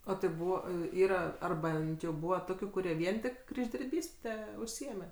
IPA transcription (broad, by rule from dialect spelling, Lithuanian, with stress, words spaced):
ˈoː tɐɪ ˈbuːʋɐ ɪ ˈiːrɐ ˈɐr ˈbʲɛnt jɛʊ ˈbuːʋɐ ˈtoːkʲʊ kʊˈrʲiɛ ˈʋʲiɛn tʲɪk krʲɪʒʲdʲɪrʲˈbʲiːsʲtʲɛ ʊʃʲˈsʲɪeːmʲɛ